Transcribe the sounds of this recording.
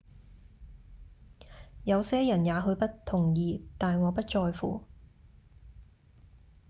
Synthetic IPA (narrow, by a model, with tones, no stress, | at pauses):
jɐ˨˧wsɛː˥jɐ˨˩njaː˨˧ɦɵ˧ɥpɐ˥tt̪ʰʊ˨˩ŋjiː˨t̪aː˨jŋɔː˨˧pɐ˥t̚t͡ʃɔː˧jfṵː˨